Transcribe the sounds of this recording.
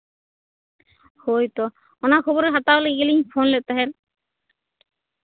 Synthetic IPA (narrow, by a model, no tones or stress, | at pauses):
hojt̪o | onakʰɔboɾeɾɦat̪aɦoleɡeliɲfʰonlet̪aɦen